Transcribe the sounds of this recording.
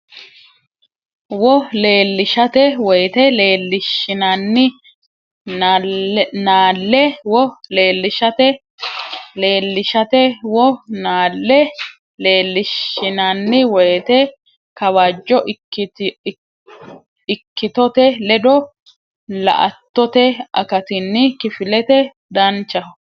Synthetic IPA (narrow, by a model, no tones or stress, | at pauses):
wɔleːlːɪʃɐt̪ɛwɔjt̪ɛleːlːɪʃɪnɐnːɪ | naːlːɛwɔleːlːɪʃɐt̪ɛ | leːlːɪʃɐt̪ɛwɔnaːlːɛ | leːlːɪʃɪnɐnːɪwɔjɛt̪ɛ | kɐwad͡ʒːɔ | ɪkːɪt̪ɔt̪ɛlɛd̪ɔ | lɐ̰ʔɐt̪ːɔt̪ɛɐ̰kɐt̪ɪnːɪkɪfɪlɛt̪ɛ | d̪ɐnt͡ʃːɐh